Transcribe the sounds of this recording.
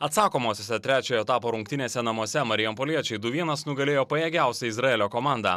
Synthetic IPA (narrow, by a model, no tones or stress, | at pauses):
ɐt̪sɑːkoːmoːsʲoːsʲɛt̪ʲɾʲæːt͡ʃʲoːjɛt̪ɑːpoːɾʊŋk̚t̪ʲɪnʲeːsʲɛnɐmuɔsʲɛmɐɾʲɪjɛmpolʲiɛt͡ʃʲɛɪd̪ʊʋʲiɛnɐsnʊɡɐlʲeːjoːpɐjeːɡʲæˑʊsʲɛɪzɾɐɛːlʲoːkɔmɑˑnd̪ɑ̰ː